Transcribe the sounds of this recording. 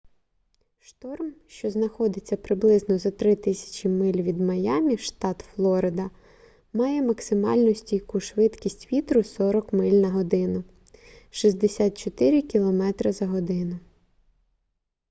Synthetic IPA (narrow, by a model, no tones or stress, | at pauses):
ʃt̪ɔrmʃt͡ʃɔznɐxɔd̪ɪt͡sʲːɐpɾɪblˠɪznɔzɐt̪ɾɪt̪ɪsʲɐ̥t͡ʃimɪlʲʋʲid̪mɐjɑmʲiʃt̪ɑt̪flˠɔɾɪd̪ɐ | mɑjɛmɐksɪmɑ̰lʲnʊsʲtʲijkuʃʋɪt̪kʲisʲtʲʋʲit̪ɾʊsɔɾɔkmɪlʲnɐɦɔd̪ɪnʊ | ʃizʲd̪esʲat̪̚t͡ʃɔt̪ɪɾʲikʲilˠɔmɛt̪ɾɐɪzɐɦɔd̪ɪnʊ